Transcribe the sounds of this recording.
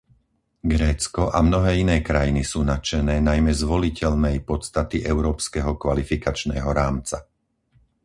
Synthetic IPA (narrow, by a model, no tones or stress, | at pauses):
ɡɾɛːt͡skɔʔamnɔɦɛːinɛːkɾajinisuːnat͡ʃɛnɛːnajmɛzʋɔlicɛʎnɛjpɔt̪st̪at̪iʔɛʊɾɔːpskɛɦɔkʋalifikat͡ʃnɛːɦɔɾaːmt͡sa